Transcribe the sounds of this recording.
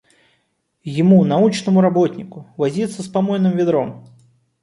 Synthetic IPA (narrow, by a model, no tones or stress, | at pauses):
jɪmunaut͡ʃnɐmʊɾabɔt̪ʲnʲikʊvazʲit̪sːəspamɔjnɨmvʲɪd̪ɾɔm